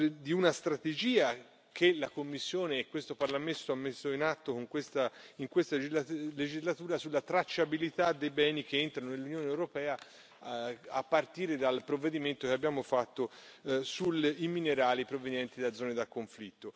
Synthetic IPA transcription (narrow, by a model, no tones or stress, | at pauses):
d̪iunast̪ɾat̪ed͡ʒiːa | k̟ʰelakomːisːjoːneːkːwest̪oparlamesːoamːesːoinat̪ːokoŋkwest̪aiŋkwest̪aled͡ʒizlat̪uːɾasulːat̪ɾat͡ʃːabilit̪ad̪ːejbɛːnik̟eent̪ɾanonelːunjoːneːwɾopɛːa | apːart̪iːɾed̪alpɾovːed̪iment̪okeabːjaːmofat̪ːosulimineɾaːlipɾovenjɛnt̪id̪ad̪zɔːned̪akːoɱflit̪ːo